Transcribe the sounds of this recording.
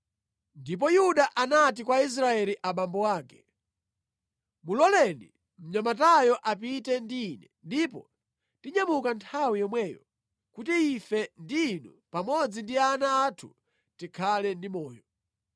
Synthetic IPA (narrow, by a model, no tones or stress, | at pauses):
ndip̬ɔjuɗaʔanatikwais̬ɾaɛliʔaɓambɔwaːkɛ̥ | mulɔlɛnḭ | m̩ɲamatajɔʔapitɛndiːnɛndipɔ | tiɲamukantʰawijɔmwɛːjɔ̰ | kutiifɛndiːnu | pamɔd͡zindianaːtʰu | tikʰalɛndimɔːjɔ